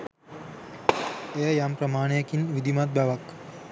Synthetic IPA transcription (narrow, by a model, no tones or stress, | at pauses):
ejəjampɾɐmaːɳejɐkinʋid̪ʱimat̪̚baʋɐk